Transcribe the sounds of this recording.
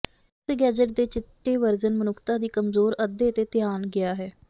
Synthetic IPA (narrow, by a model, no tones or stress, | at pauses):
sɡɛːd͡ʒəʈ̚d̪eːt͡ʃɪt̪ːeːʋəɾzənmənʊkʰt̪aːd̪iːkəmzoːɾəd̪ːeːət̪eːt̪ɪjaːnɡɪaːɦɛː